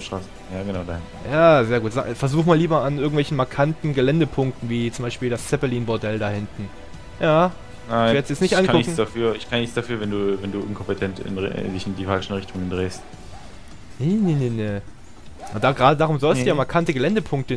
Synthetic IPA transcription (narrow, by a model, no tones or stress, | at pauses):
fʃtʁ̥aːsə | jaːɡənaʊdahɪn | jaːzeːɐɡuːtz̥a̰ːɡfɛɐzuːxmaːlːiːbɐanʔɪɐɡŋ̩tvɛlçn̩maɐkʰantn̩ɡəlɛndəpʰʊŋk̚tn̩viːt͡sʊmbaɪʃpiːldast͡sɛpɛliːnbɔɐdɛldaːhɪntn̩ | jaː | naɪvɛjɛt͡sjɛt͡snɪçʔankʊɪçŋ̩d̥afyːɐʔɪçkʰanɪçt͡sd̥afyːɐvɛnduːvɛnduːʔɪnkʰɔmpətʰɛntɪ̰ndɪçɪndiːfalʃn̩ʁɪçtʊŋəndʁeːst | nenenene | ʔad̥aːɡʁaːdədaːʁʊmzɔlstujamaɐkʰantəɡəlɛndəpʰʊŋk̚tə